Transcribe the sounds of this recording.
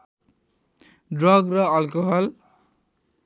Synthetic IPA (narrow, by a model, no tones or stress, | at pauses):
ɖrʌɡrʌalkoɦʌl